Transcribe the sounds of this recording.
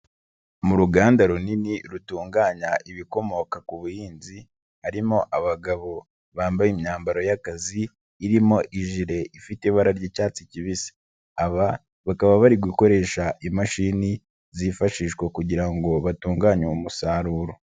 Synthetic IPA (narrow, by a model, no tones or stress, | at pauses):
muɾuɡaːndaɾuniniɾutuːŋɡaːɲaʔiβiko̞mo̞kakuβujiːnzi | haɾimo̞ʔaβaɡaβo̞ | βaːmbajimɲaːmbaɾo̞jakaziː | ɾimo̞ʔiʒiɾe̞ifiteβaɾaɾɟicaːt͡siciβisi̥ | aβa | βakaβaβaɾiɡwiko̞ɾe̞ːʃaʔimaʃiːni | zifaʃiːʃkwekuɟiɾaŋɡo̞βatuːŋɡaːɲoumusaɾuːɾo